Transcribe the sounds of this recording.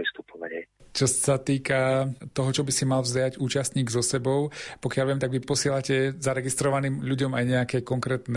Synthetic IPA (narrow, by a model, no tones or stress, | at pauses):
ist̪upɔʋa̰ɲɛt͡ʃɔsat̪iːkat̪ɔɦɔt͡ʃɔbisimalvzjaɟuːt͡ʃast̪ɲiːɡzɔsɛbɔʊpɔkɪaʎʋɪɛmt̪aɡʋipɔsɪɛlacɛzaɾɛɡist̪ɾɔʋaniːmʎuɟɔmajɲɛakɛkɔŋkɾɛːt̪nɛ